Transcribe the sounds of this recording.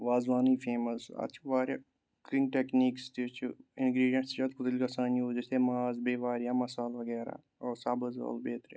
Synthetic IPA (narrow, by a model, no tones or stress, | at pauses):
ʋaːzʋaːniːfʰeːməsa̰t͡ʃʰiʋaːɾja̰ː | kɾiŋʈekniːkst̪it͡ʃʰuɪnɡɾiːɖijɐ̃nsd͡ʒɐt̪̚kʰʊt̪əlikɐsaːnioːd͡ʒisemaːzbeːʋaːɾjaːmɐsaːlʋɐɡɛːɾa̰ː | oːsabɐzo̰ːlbeːt̪ɾja̰